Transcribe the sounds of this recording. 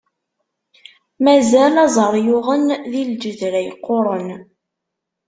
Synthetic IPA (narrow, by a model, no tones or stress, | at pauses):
mæzælɑzˤəɾˤjʊʁənðild͡ʒəðɾæjqːoɾˤən